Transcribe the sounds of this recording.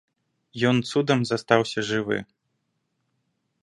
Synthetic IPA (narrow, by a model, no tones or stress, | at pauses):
jɔnt̪sud̪ɐmzast̪awsʲɐʐɨvɨ̰